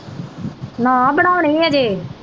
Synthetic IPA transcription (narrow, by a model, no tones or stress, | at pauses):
nãːbəɽaːonĩːaːd͡ʒeː